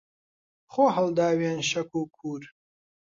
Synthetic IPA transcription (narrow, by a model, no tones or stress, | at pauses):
χoːɦɐld̪aːweːnɕɐkuːkʰuːɾ